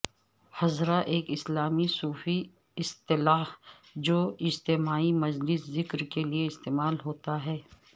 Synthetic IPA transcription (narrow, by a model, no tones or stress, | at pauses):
hɐzɾaʔeːkɪslaːmisuːfi | ɪst̪ɪlaːh | d͡ʒoːɪd͡ʒt̪emaːimɐd͡ʒlɪszɪkɾkelieɪst̪eːmaːlɦoːt̪aɦɛː